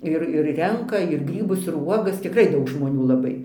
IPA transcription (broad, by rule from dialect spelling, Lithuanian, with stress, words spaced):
ˈɪr ɪr ˈrʲɛŋkɐ ɪr ˈɡrʲiːbʊs ɪr ˈuɔɡɐs tʲɪkˈrɐɪ ˈdɐʊk ʒmoːˈnʲuː lˠɐˈbɐɪ